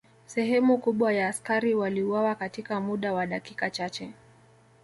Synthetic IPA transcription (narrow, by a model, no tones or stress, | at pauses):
sɛɦɛmukuɓwajaːskaɾiwaliuwawakatikamuɗawaɗakikat͡ʃat͡ʃɛ